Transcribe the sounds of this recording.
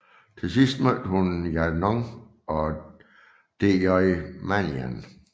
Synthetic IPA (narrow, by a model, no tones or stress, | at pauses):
t͡sʰe̝sisd̥mød̥əhunjænɔŋ | ɒ | d̥ejɒɪmæniæ̰n